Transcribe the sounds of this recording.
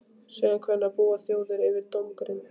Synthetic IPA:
sɛɣakʰvɛnːapuːaθjoːwðʏɾɪvɪɾt̪omkɾɪn

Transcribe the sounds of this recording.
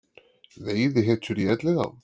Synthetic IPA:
ðejðɪɦɛt͡ʃʏɾiɛt̪lɛɣa̰w

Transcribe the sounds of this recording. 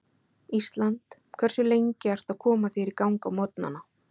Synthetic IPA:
ist̪lant̪ | kʰvɛr̥sʏlejɲcɪajr̥t̪aðkʰɔːmafɪːɾɪɾkawŋkamɔt̪na̰nːa

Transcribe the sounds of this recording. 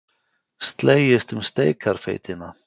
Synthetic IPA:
st̪leːjɪst̪ʏmst̪eːjkʰaɾ̥fḛːjt̪ɪna

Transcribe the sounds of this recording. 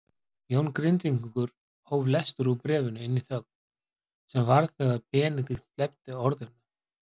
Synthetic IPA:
joːwnkɾɪnt̪viŋkkʏɾ̥ | howvlɛst̪ʏɾupɾɛːvʏnʏɪnːiθœkn | sɛmvaɾθɛɣaðpɛːnɪθixst̪lɛp̚t̪ɪɔɾðʏna

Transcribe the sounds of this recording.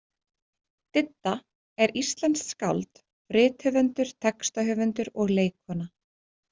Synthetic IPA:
t̪ɪt̪ːa | ɛɾist̪lɛnska̰wlt̪ | rɪːt̪hʏvʏnt̪ʏɾ̥t̪ʰɛkst̪aɦʏːvʏnt̪ʏɾɔɣleːjkvɔna

